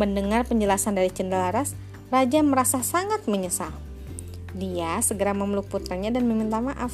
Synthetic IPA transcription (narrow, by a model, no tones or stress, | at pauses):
məndəŋarpəɲd͡ʒəlasandaɾit͡ʃəndalaɾas | rad͡ʒaməɾasasaŋat̪̚məɲəsa | diasəɡəɾaməməluk̚put̪ɾaɲadanməmint̪amaʔaf